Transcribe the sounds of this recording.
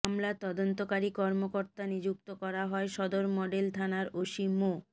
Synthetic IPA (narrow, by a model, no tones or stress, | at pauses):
amlat̪ɔd̪ont̪okaɾikɔɾmokoɾt̪anid͡ʑuk̚t̪okɔɾaɦɔeʃɔd̪oɾmɔɖelt̪ʰanaɾoʃimo